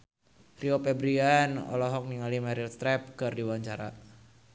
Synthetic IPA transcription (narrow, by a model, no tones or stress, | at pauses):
riopɛbɾianɔ̰lɔɦɔk̚niŋalimɛɾilst̪ɾɛp̚kɨrdiwaɲt͡ʃaɾa̰